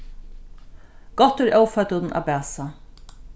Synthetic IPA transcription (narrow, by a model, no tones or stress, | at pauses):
ɡ̥ɔt̪ːɪɾʔœwfœt̪ət̪nʔa̰bæːsa